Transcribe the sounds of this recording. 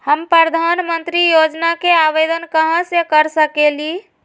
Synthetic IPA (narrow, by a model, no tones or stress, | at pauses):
həmpɾəd̪ʱanmənt̪ɾijod͡ʒnakeaʋed̪ənkəɦãsekəɾsəkeli